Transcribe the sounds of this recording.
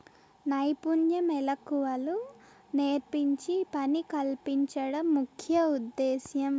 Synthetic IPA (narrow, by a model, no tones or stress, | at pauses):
nɐjpunjɐmɛlɐkuʋɐlu | neːɾpiɲt͡ʃipɐnikɐlpiɲt͡ʃɐɽɐmːukʰjɐud̪ːɛːsjɐm